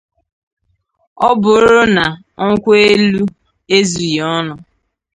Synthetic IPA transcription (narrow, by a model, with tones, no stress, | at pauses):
ɔ˦bʊ˨ɾɾʊ˦na˨ | ŋ̩˦kʷe˦lu˦ | e˦zi˨jɔ˦nʊ˨